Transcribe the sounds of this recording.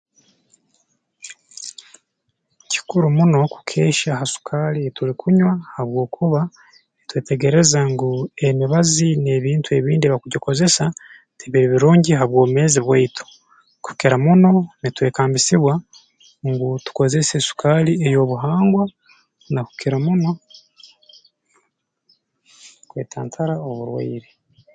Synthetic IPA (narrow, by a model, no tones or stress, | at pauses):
ci̥kuɾumuno̞ku̥kʰe̞ːʃaɦasu̥kʰaːlietuɾikʰuɲwahaβwo̞ːkʰuβa | etweːte̞ɡe̞ɾe̞zaŋɡue̞niβazine̞βiːntue̞βiːndiβakuɟoko̞ze̞sa | tiβiɾiβiɾuːɲɟiɦaβwo̞ːβume̞ːziβweitʰu̥ | ku̥kiɾamuno̞nitwe̞ːkaːmbisiβwa | ŋɡutu̥ko̞ze̞sesu̥kaːliejo̞ːβuɦaːŋɡwa | naku̥kiɾamuno̞ | kweːtʰaːntʰaɾaoβuɾwa̰iɾe